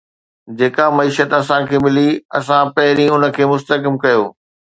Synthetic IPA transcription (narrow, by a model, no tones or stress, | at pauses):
d͡ʑeːkamɐiːʃət̪ɐsãkʰeːmɪliɐsãpɐɦɪɾĩʊnə̆kʰeːmʊst̪əkɪmkɐjoː